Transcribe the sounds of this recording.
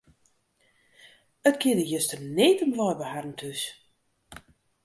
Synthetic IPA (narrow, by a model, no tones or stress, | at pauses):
ətkʰɪədəjəstərneːtəmʋɔjbəharn̩tʰys